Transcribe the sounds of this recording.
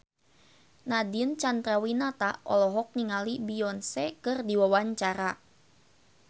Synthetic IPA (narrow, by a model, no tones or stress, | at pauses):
nadiənt͡ʃand̪ɾawinat̪aʔɔ̰lɔɦɔk̚niŋalibiɔnsɛkɨrdiwawaɲt͡ʃaɾa